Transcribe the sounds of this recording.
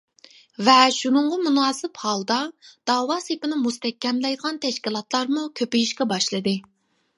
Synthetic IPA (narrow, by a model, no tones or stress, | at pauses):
vɛʃunɨŋʁɑmunɑːsɪphɑlˠd̪ɑd̪̥ɑːwɑːsepɪnɪmust̪ɛkʲːɛmlɛjd̪əʁɑnt̪ʰɛʃkʲilˠɑt̪lˠɑɾmukʲʰøpijiʃkʲɛbɑʃlˠɨd̪ɨ